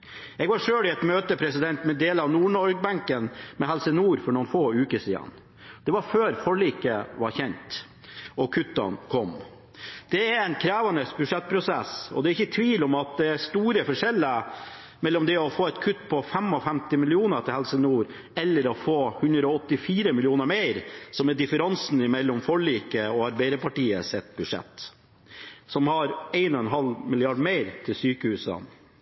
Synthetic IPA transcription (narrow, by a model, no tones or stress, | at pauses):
ɛɡʋɑʂøːlɪɛt̪møːt̪əpʰɾɛsɪd̪ɛnt̪mɛd̪eːləɑʋnuːɳɔɾɡ̚bæŋkənmɛɦɛlsənuːɾfɔɾɳuːnfoːʉːkəʂḭːd̪ɑ̰n | d̪̥ɛʋɑɾføːɾfɔɭiːkəʋɑɾçɛnt̪ | ɔkʰʉt̪ːɑ̰nkʰɔm | d̪̥ɛæɾɛnkʰɾæːʋɑnəsbʉʂɛt̪̚ːpʰɾʊsɛ̰sɔ̰d̪ɛæɾɪçːət̪ʰʋiːlɔmɑt̪̚d̪ɛæst̪uːɾəfɔʂɛlːə | mɛlːɔmd̪ɛɔfoːɛt̪kʰʉt̪ːpʰɔfɛmɔfɛmt̪ɪmɪlɪuːnət̪ʰɪlhɛlsənuːɾ | ɛlːəɾɔfoːhʉnd̪ɾəɔɔt̪ːɪfiːɾəmɪlɪuːnəɾmeɪɾsɔmɛd̪ɪfəɾɑnsnɪmɛlːɔmfɔɭiːkəɔɑɾbæɪd̪əpɑʈiːə̰sɛt̪bʉd̪ʂɛ̰t̪ː | sɔmhɑɾeɪnɔɛnɦɑlmɪlɪɑɖmeɪɾt̪ʰɪlsyːkəhʉːsɑ̰n